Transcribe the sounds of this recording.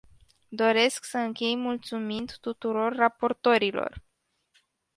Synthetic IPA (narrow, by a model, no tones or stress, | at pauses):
d̪o̞ɾe̞sksəɨŋkʲe̞jmult̪sumind̪t̪ut̪uɾo̞rːapo̞rt̪o̞ɾilo̞̰r